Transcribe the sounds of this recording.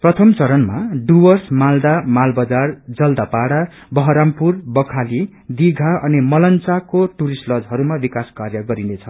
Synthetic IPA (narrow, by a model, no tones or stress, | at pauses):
prʌt̪ʰʌmt͡sʌɾʌnmaɖuwʌrsmald̪amalbʌd͡zard͡zʌld̪apaɽa | bʌɦʌɾampurbʌkʰali | d̪iɡʱaʔʌnimʌlʌnt͡sakoʈuɾisʈlʌd͡zɦʌɾumabikaskarjʌɡʌɾinet͡sʰʌ